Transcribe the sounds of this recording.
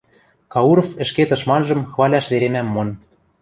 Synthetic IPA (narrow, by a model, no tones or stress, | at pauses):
kɑuɾofɘ̆ʃket̪ɤ̆ʃmɑnʒɤ̆mxβɑlʲɑʃβeɾemæmːon